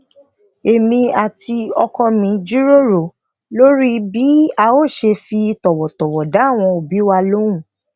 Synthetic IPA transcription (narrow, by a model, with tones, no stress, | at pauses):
e˨mĩ˧a˨ti˧ɔ˧kɔ˧mĩ˧˦d͡ʒi˦ɾo˦ɾo˨ | lo˦ɾi˦bi˦a˧o˦˨ʃe˧fi˧tɔ˨wɔ˨tɔ˨wɔ˨da˨˦˨w̃ɔ̃˧o˨bi˨˦wa˧lo˦ũ˦˨